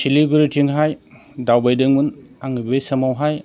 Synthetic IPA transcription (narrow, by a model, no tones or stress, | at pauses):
siliɡuɾitʰiŋɦaj | dawbajdɯŋmɯnaŋibbesɐmawɦaj